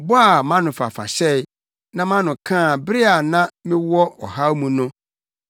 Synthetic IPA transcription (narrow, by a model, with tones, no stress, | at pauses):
bɔ˦a˨mã˦nʊ̃˨fa̰˨fa̰˨ɕɛ˦ɪ˦ | nã˦mã˦nʊ̃˨kʰãː˦˨bɪ˦ɾɪ˦a˨nã˦mɪ̃˦wɔ˦ɔ̰˨ɦa˦wmũ˨nʊ̃˦